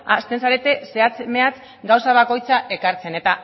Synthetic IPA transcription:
ast̪e̞nsaɾe̞t̪e̞se̞at͡seme̞at͡s | ɡawsaβ̞ako̞jt͡saʔe̞kaɾt͡se̞ne̞t̪a

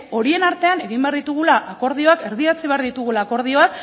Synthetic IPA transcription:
o̞ɾie̞naɾt̪e̞ane̞ɣimbe̞aɾðit̪uɣ̞ulaʔako̞ɾð̞io̞ake̞ɾðiat͡siβe̞aɾðit̪uɣulaːko̞ɾð̞io̞ak

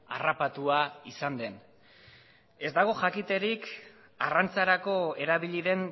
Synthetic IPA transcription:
a̰rapat̪uaisand̪e̞n | e̞zd̪aɣ̞o̞ʝakit̪e̞ɾik | a̰rant͡saɾako̞e̞ɾaβiʎiðe̞n

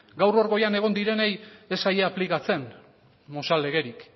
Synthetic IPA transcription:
ɡawro̞ɾɣo̞jane̞ɣ̞o̞nd̪iɾe̞ne̞je̞sajeaplikat͡se̞n | mo̞sale̞ɣe̞ɾik

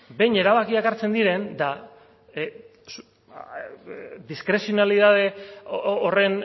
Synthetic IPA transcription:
be̞jɲe̞ɾaβakiakaɾt͡se̞nd̪iɾe̞nd̪a | s | d̪iskɾe̞sionaliðað̞e̞ | ore̞n

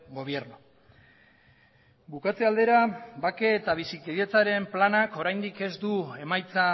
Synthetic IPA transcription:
ɡo̞β̞je̞ɾno | bukat͡se̞ald̪e̞ɾabakeːt̪aβ̞isikeðet͡saɾe̞mplanako̞ɾajnd̪ike̞zd̪ue̞majt͡sa

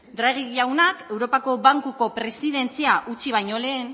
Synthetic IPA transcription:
d̪ɾaɣ̞iʎawnake̞wɾo̞pako̞βaŋkuko̞pɾe̞siðe̞nt͡siaʔut͡ʃiβ̞ajɲo̞le̞ːn

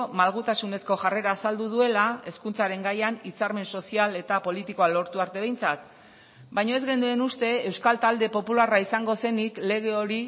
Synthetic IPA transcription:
malɣut̪asune̞sko̞ʝare̞ɾaːsald̪uðue̞lae̞skunt͡saɾe̞ŋɡajanit͡saɾme̞nso̞siale̞t̪apo̞lit̪iko̞alo̞ɾt̪uaɾt̪e̞β̞e̞jnt͡sat̪ | bajɲoe̞zɣe̞nd̪ue̞nust̪e̞ːwskalt̪ald̪e̞po̞pularaisaŋɡo̞se̞nikle̞ɣ̞e̞o̞ɾi

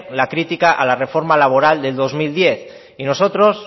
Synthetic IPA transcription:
lakɾit̪ikaʔalare̞fo̞ɾmalaβ̞o̞ɾald̪e̞ld̪o̞zmild̪je̞θ | ino̞so̞t̪ɾo̞s

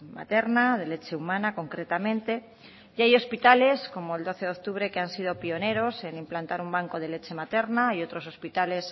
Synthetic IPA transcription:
ma̰t̪e̞ɾnaðe̞le̞t͡ʃe̞umãnako̞ŋkɾet̪amẽnt̪e̞ | jajo̞spit̪ale̞sko̞moeld̪o̞θe̞ðo̞k̚t̪uβ̞ɾe̞keansið̞o̞pio̞ne̞ɾo̞se̞nimplant̪aɾumbaŋko̞ð̞e̞le̞t͡ʃe̞mat̪e̞ɾnaio̞t̪ɾo̞so̞spit̪ale̞s

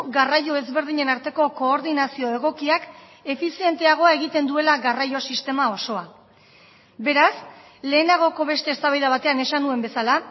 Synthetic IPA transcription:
ɣarajo̞e̞zβe̞ɾðiɲe̞naɾt̪e̞ko̞ko̞ːɾðinasio̞e̞ɣ̞o̞kiak | e̞fisie̞nt̪e̞aɣ̞o̞ae̞ɣ̞it̪e̞nd̪ue̞laɣarajo̞sist̪e̞mao̞so̞a | be̞ɾas | le̞ːnaɣ̞o̞ko̞βe̞st̪e̞ːst̪aβajðaβat̪e̞ane̞sanue̞mbe̞sala

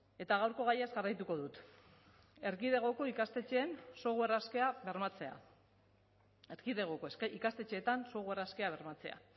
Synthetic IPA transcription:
e̞t̪aɣawɾko̞ɣajezɣarajt̪uko̞ðut̪ | e̞ɾɣið̞e̞ɣ̞o̞ko̞ikast̪e̞t͡ʃeːnso̞ɣue̞raskeaβe̞ɾmat͡se̞a̰ | eɾɣiðe̞ɣ̞oko̞ikast̪e̞t͡ʃe̞ːt̪anso̞ɣ̞ue̞raskeaβ̞e̞ɾmat͡se̞a̰

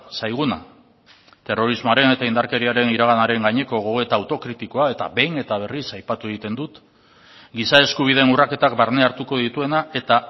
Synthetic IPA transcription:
sajɣ̞una̰ | t̪e̞ro̞ɾizmoaɾe̞ne̞t̪aind̪aɾke̞ɾiaɾe̞niɾaɣ̞anaɾe̞ŋɡaɲe̞ko̞ɣoɣe̞t̪aːwt̪o̞kɾit̪iko̞ae̞t̪a̰be̞jne̞t̪aβ̞e̞risajpat̪ue̞ɣ̞it̪e̞nd̪ut̪ | ɡisae̞skuβ̞iðe̞ːnurake̞t̪ak̚baɾne̞aɾt̪uko̞ð̞it̪ue̞nae̞t̪a

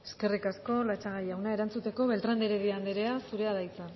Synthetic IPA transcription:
e̞̥ske̞rikasko̞lat͡ʃaɣajawnae̞ɾant͡sut̪e̞ko̞βe̞lt̪ɾand̪eɾeðiand̪eɾe̞asuɾe̞aðajt͡san

